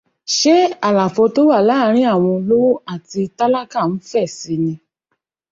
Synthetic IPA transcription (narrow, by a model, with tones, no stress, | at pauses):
ʃe˦a˦˨la˨fɔ˧to˦wa˦˨la˦˨˦ɾ̃ĩ˦a˦˨w̃ɔ̃˧lo˦wo˦a˦˨ti˧ta˦la˦ka˦˨n̩˨˦fɛ˦˨si˨˧˦nĩ˧